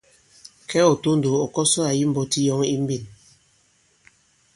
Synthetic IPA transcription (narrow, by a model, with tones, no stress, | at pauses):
kɛ˦ɔ˨to˦n̩˨do˨ɔ˨kɔ˦sɔ˦a˨ji˦m̩˨bɔ˨ti˦jɔ˦ŋi˦m̩˦bi˦˨n